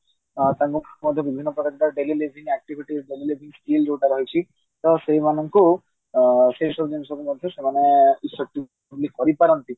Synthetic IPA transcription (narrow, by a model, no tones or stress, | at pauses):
t̪aɾmukʰmɔd̪ʱjɔbibʱinːɔpɾɔk̪ekʈ̪aɖelilibʱiŋɛk̚ʈibʱiʈiɾɖelilibʱiŋskild͡ʒowʈaɾɔɦijt͡ʃʰi | t̪ɔsejmanɔŋku | sesɔbd͡ʒenusɔbumoɾt̪ʰɔsemaneisːɔʈːi | bulikɔɾipaɾɔnt̪i